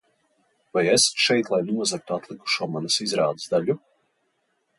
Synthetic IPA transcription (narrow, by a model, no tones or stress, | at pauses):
vajɛsḁt̪ʃɛjt̪lˠajnuɔzak̚t̪uat̪lˠiku̥ʃuɔmanasizɾaːd̪əsd̪aʎu